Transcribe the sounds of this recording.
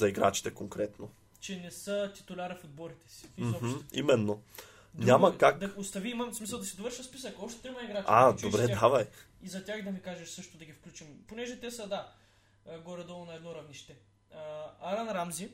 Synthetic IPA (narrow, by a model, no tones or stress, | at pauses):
zɐiɡɾa̰t͡ʃi̥t̪ɛkoŋkɾɛt̪no | t͡ʃɛnɛsət̪i̥t̪ʊlʲaɾɐfod̪̚bɔɾit̪ɛ̥si̥ɔm̩imɛnːo | dɲʲamɐkakd̪ost̪ɐviimɐmsmisəlˠd̪ɐsid̪ovɤɾʃɐspisəkɔpʃt̪ɛ̥t̪ɾimɐiɡɾat͡ʃad̪obɾɛd̪avɐj | izɐt̪ʲaxd̪ɐmikaʒɛʃsɤʃt̪od̪ɐɡʲifklʲut͡ʃimponɛʒɛt̪ɛsəd̪a | ɡɔɾɛd̪ɔlˠonɐɛd̪nɔɾɐvniʃt̪ɛ | aɾanɾamzi